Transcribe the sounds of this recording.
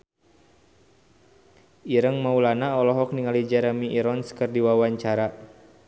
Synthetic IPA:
iɾəŋmaulanaɔlɔɦɔk̚niŋalid͡ʒaɾamiʔːɾɔnskərdiwawaɲt͡ʃaɾa

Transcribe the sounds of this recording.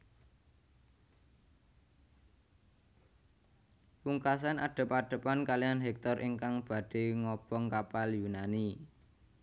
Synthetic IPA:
puŋkas̬anaɖ̪̥ə̤paɖ̥ə̤pankalianɦɛk̚t̪ɔrʔiŋkaŋb̥a̤ɖ̥e̤ŋɔb̥ɔŋkapaljunani

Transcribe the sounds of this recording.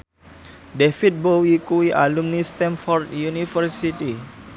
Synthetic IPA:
defit̪̚bowikuwiʔa̰lumnist̪ɛ̃nfɔrt̪junifərsit̪i

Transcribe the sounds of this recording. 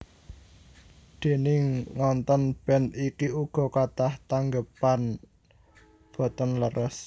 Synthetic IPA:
d̪̥e̤nɪŋːɔnt̪ɔnb̥ɛnikiuɡ̥ɔ̤kat̪aht̪aŋɡəpan | b̥ɔ̤t̪ɔnləɾʔəs

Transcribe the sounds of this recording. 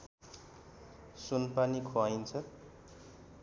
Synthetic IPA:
sunpanikʰoajnt͡sʰʌ

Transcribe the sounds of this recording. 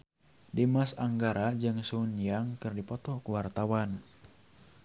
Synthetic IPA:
dimasaŋɡaɾad͡ʒɨŋsunjaŋkɨrdipɔt̪ɔkuwart̪awan

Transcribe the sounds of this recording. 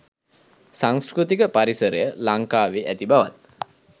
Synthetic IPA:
saŋskɾut̪ikəpaɾisəɾə̰jəlaŋkaːʋeːʔæt̪ibaʋa̰t̪̚

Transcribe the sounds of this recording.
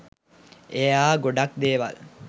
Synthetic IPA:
ejaːɡoɖak̚d̪eːʋa̰l

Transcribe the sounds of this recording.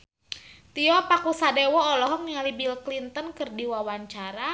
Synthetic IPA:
t̪iɔpakusadewɔːlɔɦɔŋialibilklint̪ənkɨrdiwawaɲt͡ʃaɾa

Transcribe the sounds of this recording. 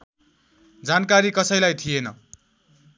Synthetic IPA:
d͡zankaɾikʌsʌjlajt̪ʰienʌ̰

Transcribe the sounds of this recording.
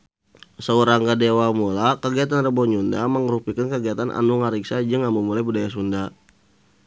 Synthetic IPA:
səuɾaŋɡadewamulakəɡiat̪anrəbɔɲundaməŋəɾupikankəɡiat̪anʔa̰nuŋaɾiksad͡ʒəŋamumulajbudajas̬unda

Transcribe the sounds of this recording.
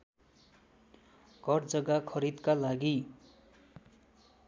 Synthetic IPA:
ɡ̥ʱʌrd͡zʌɡakʰʌɾid̪kalaɡi

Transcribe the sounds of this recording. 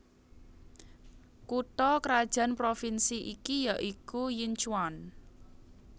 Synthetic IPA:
kut̪ɔkɾad̥ʒ̥ä̤npɾofinsiʔikijaʔikujɪɲt͡ʃwan

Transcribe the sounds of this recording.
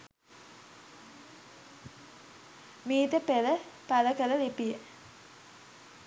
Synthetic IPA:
miːt̪əpeləpaləkələlepijə

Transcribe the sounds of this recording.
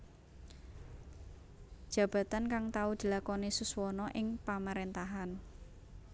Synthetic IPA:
d̥ʒ̥ä̤b̥a̤t̪ankaŋt̪aud̪̥i̤lakɔnesuswɔnɔʔɪŋpamaɾent̪aɦan

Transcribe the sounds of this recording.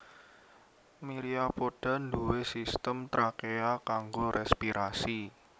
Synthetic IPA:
miɾiapoɖ̥a̤nd̪uwesist̪əmt̪ɾakeakaŋɡoɾʔɛspiɾʔasi

